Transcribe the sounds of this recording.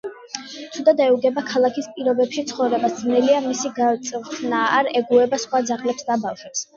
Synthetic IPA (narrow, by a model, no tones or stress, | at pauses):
tt̪ʰud̪ad̪ɛuɡɛbakʰalˠakʰispʼiɾɔbɛpʃit̪sʰχɔvɾɛbasd̪znɛliamisiɡat̪sʼt̪ʰnaːɾɛɡuɛbasχwad̪zaχlɛpsd̪abafʃwɛps